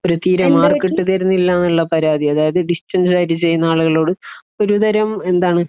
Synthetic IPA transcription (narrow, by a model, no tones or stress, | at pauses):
oɾut̪iːɾɐmaːrkːeʈːɨt̪ɐɾunːilːaːnuɭːɐpɐɾaːd̪iɐðaːjɐðɨɖistɐnsajɾit͡ɕe̞jːunːɐaːɭuɣɐɭo̞ːɽɨ | o̞ɾud̪ɐɾɐme̞nd̪aːɳɨ